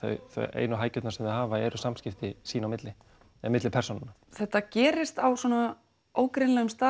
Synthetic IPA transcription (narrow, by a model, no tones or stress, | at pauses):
θœ̰ɥθœ̰jḛːjnʏɦaːjcʏt̪naɾsɛmðɪðɦaːvaɛɾʏsamscɪft̪ɪsiːnawmɪt̪lɪ | ɛmɪt̪lɪpʰɛɾ̥sɔnɪna | θɛht̪ːacɛːɾɪst̪awswɔna | oːwkɾɪnlɛːɣʏmst̪aː